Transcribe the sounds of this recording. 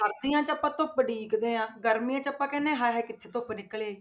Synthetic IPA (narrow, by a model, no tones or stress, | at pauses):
əɾd̪ijãːt͡ʃəpːãːt̪õːpːəɖiːkd̪eːãːɡəɾmijãːt͡ʃəpːãːkɛːnẽːɦãːɦɛːkɪt̪ʰːeːt̪oːpnɪkːəɭeː